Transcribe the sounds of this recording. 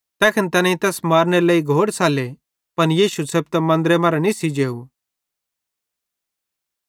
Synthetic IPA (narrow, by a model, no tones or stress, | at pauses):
t̪ɛːkʰɪnt̪ɐnãĩt̪ɛːsmaːɾneɾleːiɡʱoːɽsaːle | pɐnjiːʃuseːb̚t̪ɐmɐ̃nd̪ɾemaːɾanisid͡ʒeːu